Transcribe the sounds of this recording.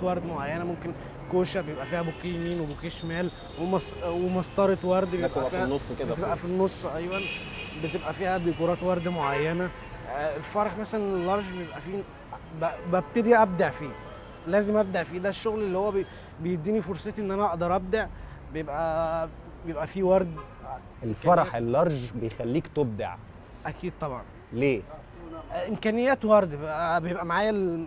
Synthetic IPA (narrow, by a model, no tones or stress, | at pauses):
wɑɾˤd̪moʕajːænæmomken | koːʃæbejebʔæfiːhæbokːejmiːnwebokeːʃmæːl | wemɑswemɑst̪ˤɑɾˤet̪wɑɾˤd̪bejebʔæfiːæsˤːebeebʔæfinːosˤːʔɑjwˤɑn | bet̪ebʔæfiːhæd̪ikuɾˤɑːt̪wɑɾˤd̪moʕajːænæ | elfɑɾˤɑħmæsælænelːɑɾˤʒbejebʔæfiː | bbæb̚t̪æd̪iʔæb̚d̪aʕfiː | læːzemʔæb̚d̪aʕfiːd̪æʃːoɣlelːihowːæ | bejed̪ːiːnifoɾˤsˤet̪iʔenːʔænæʔɑʔd̪ɑɾˤʔæb̚d̪aʕ | bejebʔæ | bejebʔæfiːwɑɾˤd̪ | ʔelfɑɾˤɑħelːɑɾˤʒbejxælːiːkt̪eb̚d̪a̰ʕ | ʔækʰiːd̪̚t̪ˤɑbʕɑ̰n | leː | ʔemkæːnejːæːt̪wɑɾˤd̪bʔæbejebʔæmaʕaːjæl